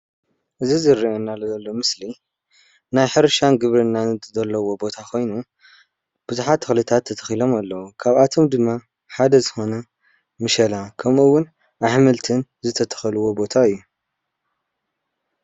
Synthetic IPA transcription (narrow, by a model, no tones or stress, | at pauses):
ʔɨzizɨɾːiʔonːalɐzɐlːo̞mɨsli | najħɨɾʃanɡɨβɾɨnːanɨzɐlːɐwo̞bo̞t̪ʰakʰo̞jnu | b̥ɨzuħat̪ʰɨxlɨt̪ʰat̪ʰːɐt̪ʰɐ̥xilo̞malːɐwukʰaβat̪ʰo̞md̪ɨmːa | ħad̪ɐzɨxo̞nɐ | mɨʃɐlakʰɐmʔuwːʊn | ʔaħmɨlt̪ʰɨnzɨt̪ʰɐt̪ʰɐ̥xɐlɨwo̞bo̞t̪ʰaɨjːu